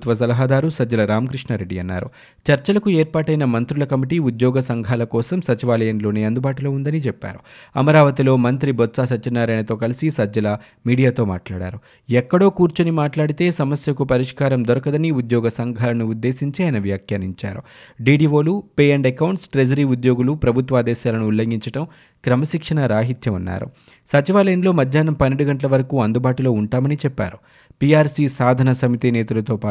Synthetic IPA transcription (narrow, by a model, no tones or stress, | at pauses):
t̪ʋɐsɐlɐɦaːd̪aːɾusɐd͡ʒɐlɐɾaːmɐkɾiʂɳɐɾe̞ɖːiɐnːa̰ːɾṵ | t͡ʃɐɾt͡ʃɐlɐkuɛːɾpaːʈɐjnɐmɐnt̪ɾulɐkɐmiʈiud̪jɔːɡɐsɐŋɡʱaːlɐkɔːsɐmsɐt͡ʃiʋaːlɐjɐnlo̞ːneːɐnd̪ubaːʈulo̞ːund̪ɐnit͡ʃɛpːa̰ːɾuɐmɐɾaːʋɐt̪ilo̞ːmɐnt̪ɾibɔt̪saːsɐt͡ʃːinːaːɾɐjnɐt̪o̞ːkɐlisisɐd͡ʒɐlɐ | miːɽijaːt̪o̞ːma̰ːʈlaːɽa̰ːɾu | ɛkːɐɽo̞ːkuːɾt͡ʃunimaːʈlaːɽit̪e̞ːsɐmɐsjɐkupɐɾiʂkaːɾɐmd̪ɔɾɐkɐd̪ɐniud̪jɔːɡɐsɐŋɡʱaːlɐnuud̪ːe̞ːsiɲt͡ʃiɐjnɐʋjaːkjaːniɲt͡ʃa̰ːɾu | ɖiːɖiːʋo̞ːlupeːjɐɳɖɛkɐwɳʈsʈɾed͡ʒɐɾiːud̪jo̞ːɡulupɾɐbʱut̪ʋaːd̪ɛːʃaːlɐnuːlːɐŋɡiɲt͡ʃɐʈɐm | kɾɐmɐsikʂɐnɐɾaːɦit̪jɐmɐnːa̰ːɾṵ | sɐt͡ʃiʋaːlɐjɐnlo̞ːmɐd̪ʱjaːnɐmpɐnːiɽuɡɐɳʈlɐʋɐɾɐkuːɐnd̪ubaːʈulo̞ːuɳʈaːmɐnit͡ʃɛpːa̰ːɾu | piaːɾsisaːd̪ʱɐnɐsɐmit̪inɛːt̪ɐlɐt̪oːpaː